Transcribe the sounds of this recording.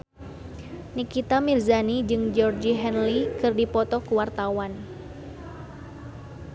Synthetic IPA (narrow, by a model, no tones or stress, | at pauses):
nikit̪amirzanid͡ʒɨŋd͡ʒɔrd͡ʒiɦɛnlikɨrdipɔt̪ɔkuwart̪awan